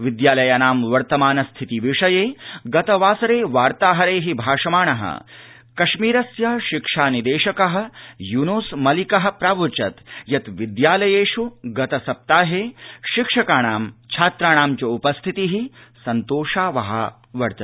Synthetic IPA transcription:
ʋid̪jaːlɐjɐnaːmʋɐɾt̪ɐmaːnɐst̪ʰit̪iʋiʂɐjeːɡɐt̪ɐʋaːsɐɾeːʋaːɾt̪aːɦɐɾeːɦibʱaːʂɐmaːɳɐɦɐ̰ | kɐʃmiːɾɐsjɐʃikʂaːnid̪eːʃɐkɐɦɐ̆junuːsmɐlikɐɦɐ̆pɾaːʋut͡ʃɐt̪jɐt̪ʋid̪jaːlɐjeːʃuɡɐt̪ɐsɐp̚t̪aːɦeːʃikʂɐkaːɳaːmt͡ʃʰaːt̪ɾaːɳaːmt͡ʃɐupɐst̪ʰit̪iɦisɐnt̪oːʂaːʋɐɦɐ̰ | ʋɐɾt̪ɐ

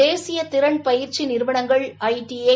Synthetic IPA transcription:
eːsɪjɐt̪ɪɾɐɳpɐjɪɾt͡ʃːinɪɾʋɐɳɐŋɡɐɭɐɪʈie

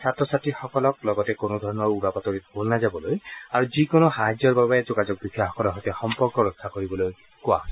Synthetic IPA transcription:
satɔsatixɔkɔlɔk̚lɔɡɔtɛkonod̪ʱɔɹɔnɔɹuɹapat̪oɹit̪bolnazabɔlojaɹuzikonoxaɦad͡ʒɔɹbabaɛzɔkazɔk̚bikʰiaxɔkɔlɔɦɔtɛxɔmpɔɹkɔɹɔkʰːakoɹibɔloj | kʊa̰

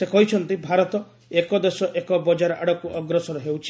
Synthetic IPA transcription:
sekɔɦit͡ʃʰɔnt̪ibʱaɾɔt̪ɔ | ekɔd̪esɔʔekɔbɔd͡ʒaɾɔa̰ɽɔkuʔɔɡɾɔsɔɾɔɦewt͡ʃʰi̥

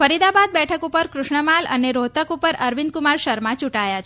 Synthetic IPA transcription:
fəɾid̪abad̪̚bɛʈʰəkupəɾkɾʊʃɳəmalə̰neɾot̪əkupəɾəɾʋind̪kumaɾʃəɾmãt͡ʃuʈajat͡ʃʰ

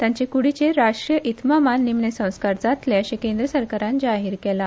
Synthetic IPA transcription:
t̪jaɲt͡ɕekuɽit͡ɕeɾaʂʈɾijəʔit̪mamanːimnesə̃w̃skaɾd͡zat̪leəɕekẽnd̪ɾəsəɾkaɾãnd͡zaɦiːɾkɛla

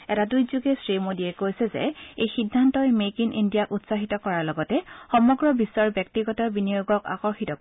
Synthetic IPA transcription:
ɛtadujzuɡɛsɹimodiɛkojsɛzɛ̰ejxidʱːantɔjmekinʔḭndijakutsaɦitɔkɔɹaɹlɔɡɔtɛxɔmɔɡɹɔbisːɔɹbjɛk̚tiɡɔtɔɹbinijoɡɔka̰kɔɹxitɔkɔɛ

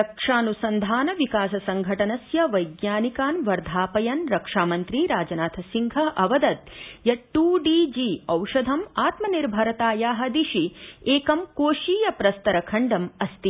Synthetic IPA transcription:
ɾɐkʂaːnusɐnd̪ʱaːnɐʋikaːsɐsɐŋɡʱɐʈɐnɐsjɐʋɐjɡnaːnikaːnʋɐɾd̪ʱaːpɐjɐnɾɐkʂaːmɐnt̪ɾiɾaːd͡ʒɐnaːt̪ʰɐsiŋɡʱɐʔɐʋɐd̪ɐt̪̚jɐʈːuːɖiːd͡ʒiːɐwʃɐd̪ʱɐmaːt̪mɐniɾbʱɐɾɐt̪aːjaːɦɐd̪iʃieːkɐmkoːʃiːjɐpɾɐst̪ɐɾɐkʰɐɳɖɐmɐst̪i

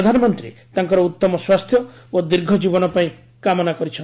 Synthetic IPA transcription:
d̪ʱanɔmɔnt̪ɾḭt̪aŋkɔɾɔut̪ːɔmɔswast̪ʰjɔod̪iɾɡʱɔd͡ʒibɔnɔpaĩ | kamɔnakɔɾit͡ʃʰɔn

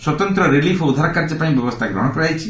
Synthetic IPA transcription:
swɔt̪ɔnt̪ɾɔɾilipʰɔud̪ʱaɾakaɾd͡ʒepaĩbjɔbɔst̪ʰaɡɾɔ̰ɽ̃ɔpɔɽajt͡ʃʰi

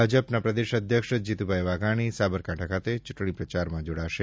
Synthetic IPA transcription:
ad͡ʒəpnapɾəd̪ɪʃəd̪ʱjəkʃd͡ʒit̪ubʱajʋaɡaɽ̃isabəɾkaʈʰakʰat̪et͡ʃʊʈɳ̃ipɾət͡ʃaɾmãd͡ʒoɽaʃe

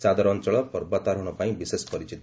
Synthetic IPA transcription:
t͡ʃad̪ɔɾɔnt͡ʃɔɭɔpɔɾbat̪aɾɔɽ̃ɔpaĩbisespɔɾit͡ʃit̪

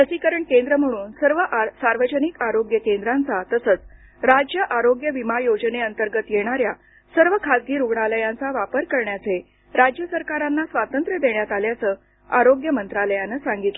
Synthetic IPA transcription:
t̪əsiːkəɾəɳkend̪ɾəm̤əɽ̃uːnsəɾʋəʔsaɾʋəd͡ʑənikaɾoɡjəkend̪ɾãnt͡sat̪əsət͡s | tɾad͡ʑjəʔaɾoɡjəʋimajod͡ʑneənt̪əɾɡət̪jeɽ̃aɾja | səɾʋəkʰasɡiːɾuɡɳaləjãnt͡saʋapəɾkəɾɳjat͡se | ɾad͡ʑjəsəɾkaɾanːasʋat̪ənt̪ɾəd̪eɳjat̪aljat͡səː | aɾoɡjəmənt̪ɾaləjanːəsãŋɡit̪lə

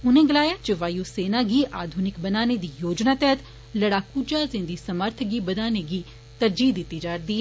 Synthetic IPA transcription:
ʊnẽːɡəlaːjaːt͡ʃəʋaːjuːseːnaːɡiːʔaːd̪ʱʊnɪkbənaːned̪iːjoːd͡ʒnaːt̪ɛɦət̪ | ləɽaːkuːd͡ʒaːzɪ̃nd̪iːsəməɾt̪ʰɡiːbəd̪aːneɡiː | t̪əɾd͡ʒiːd̪ɪt̪ːiːd͡ʒaːɾd̪iːɦɛː

